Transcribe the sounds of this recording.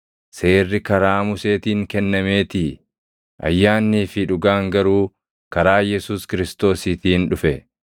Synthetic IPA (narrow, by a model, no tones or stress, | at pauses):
se̞ːrːɪkɐɾaːmʊse̞ːt̪iːŋkɛnːɐmeːt̪ɪ | ʔɐ̰jːaːnːiːfɪᶑʊɡaːŋɡɐɾuː | kɐɾaːjɛsuːskɪɾɪst̪o̞ːsiːt̪iːnᶑʊfɛ